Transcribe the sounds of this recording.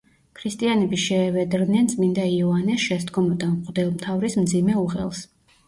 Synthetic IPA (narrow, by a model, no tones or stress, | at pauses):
kʰɾist̪ʼianɛbiʃɛːvɛd̪ɾd̪nɛnt̪sʼmind̪aiɔanɛsʃɛsd̪ɡɔmɔd̪amqʼd̪ɛlˠmt̪ʰavɾismd̪zimɛuʁɛ̰lˠs